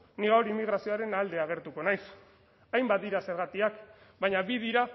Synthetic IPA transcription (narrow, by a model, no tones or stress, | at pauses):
niɣawɾimiɣɾasio̞aɾe̞nald̪e̞aɣ̞e̞ɾt̪uko̞najs | ajmbat̪d̪iɾase̞ɾɣat̪iak | baɲabið̞iɾa